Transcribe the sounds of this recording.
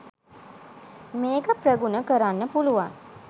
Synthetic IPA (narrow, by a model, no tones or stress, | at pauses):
meːkəprəɡunəkəɾanːəpuluʋaŋ